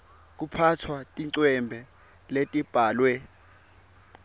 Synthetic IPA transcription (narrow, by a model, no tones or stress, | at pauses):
k̬upʰatʰwatʼiǀwɛmbʱɛ | letʼib̥ʱaːlwɛ